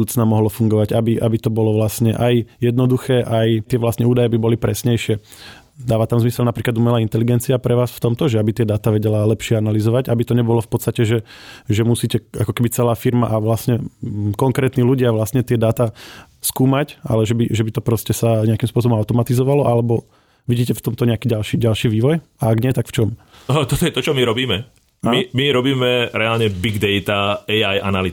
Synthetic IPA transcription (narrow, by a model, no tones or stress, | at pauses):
uːt͡snaːmɔɦlɔfuŋɡɔʋaɟabiʔabit̪ɔbɔlɔʋlasɲɛʔajjɛd̪nɔd̪uxɛːʔajt̪ɪɛʋlast̪ɲɛuːd̪ajɛbibɔlipɾɛsɲɛjʃɪɛ | d̪aːʋat̪amzmisɛlnapɾiːklad̪umɛlaːint̪ɛliɡɛnt͡siapɾɛʋaːsft̪ɔmt̪ɔʒɛabit̪ɪɛd̪aːt̪aʋɛɟɛlalɛpʃɪɛanalizɔʋaɟabit̪ɔɲɛbɔlɔfpɔt̪st̪acɛʒɛʒɛmusiːcɛakɔ̥kɛbit͡sɛlaːfiɾmaʔaʋlasɲɛkɔŋkɾɛːt̪niːluɟɪaʋlasɲɛt̪ɪɛd̪aːt̪a | skuːmaca̰lɛʒɛbiʒɛbit̪ɔpɾɔscɛsaɲɛakimspʊɔsɔbɔmaʊt̪ɔmat̪izɔʋalɔʔalɛbɔ | ʋiɟiːcɛft̪ɔmt̪ɔɲɛakiːɟalʃiːɟalʃiːʋiːʋɔjaaɡɲɪɛt̪akft͡ʃɔmt̪ɔt̪ɔjɛt̪ɔt͡ʃɔmiɾɔbiːmɛ | amimiɾɔbiːmɛɾɛaːlɲɛbiɡd̪ɛjt̪aɛjajʔa̰nali